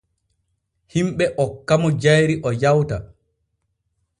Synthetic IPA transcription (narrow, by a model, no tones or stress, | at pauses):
himɓɛʔɔkːamɔd͡ʒajɾiʔɔjawta